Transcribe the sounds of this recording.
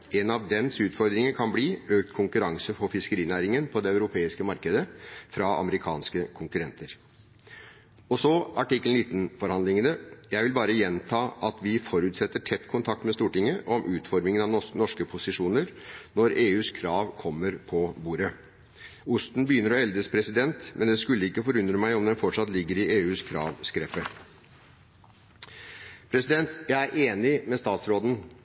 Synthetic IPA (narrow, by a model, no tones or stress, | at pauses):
ɛnɑʋd̪ɛnsʉːt̪fɔɾd̪ɾɪŋəkʰɑnbliːøːk̚t̪kʰʊŋkʉɾɑŋsəfɔfɪskəɾiːnæːɾɪŋənpʰɔd̪ɛɑʉɾʊpʰeːɪskəmɑɾkəd̪əfɾɑɑ̰məɾɪkʰɑ̰ːnskəkʰʊŋkʉɾɛnt̪ʰəɾ | ɔsɔɑʈɪkːlɪːt̪n̩fɔɾhɑnd̪lɪŋənəjæɪʋɪlbɑːɾəjɛnt̪ʰɑːʔɑt̪ʰʋɪfɔɾʉːt̪sɛt̪ːəʈʰɛt̪ːkʰʊnt̪ʰɑk̚t̪mɛst̪uːʈɪŋːəʔɔmʔʉːt̪fɔɾmɪŋənɑʋɔnɔʂkəpʰʊsɪʂuːnəɾnɔɾeːʉːskʰɾɑːʋkʰɔmːəɾpʰɔbuːɾə | ʊst̪n̩bəjʏnːəɾɔɛld̪əspʰɾɛsɪd̪ɛnt̪mʔɛnd̪ɛskʉlːəɪkːəfɔɾʉnd̪ɾəmæɪɔmd̪ɛnfɔʈʂɑt̪lɪɡːəɾɪʔeːʉːskʰɾɑ̰ːʋskɾɛpːə | pʰɾɛsɪd̪ɛnt̪jæɪæɾʔeːnɪmɛst̪ɑːt̪sɾoːd̪n̩